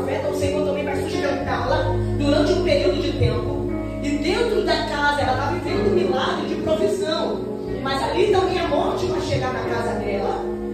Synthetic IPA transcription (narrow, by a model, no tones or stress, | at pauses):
vɛnɐ̃w̃sẽjkɐ̃t̪ɐ̃mẽj̃pvɾasuʒimẽnt̪alɐ | d̪uɾɐ̃nt͡ʃɪũpeɾiwd̪ʊd͡ʒɪt̪ẽmpʊ | ɪd̪ẽnt̪ɾʊd̪ɐkazɐɛlɐt̪aivẽnd̪ʊ̃milaɡɾɪd͡ʒɪpɾofisɐ̃w̃ | mɐzalid̪ɐ̃mẽj̃ɐmõt͡ʃɪaʃeɡaɾnɐkazɐd̪ɛlɐ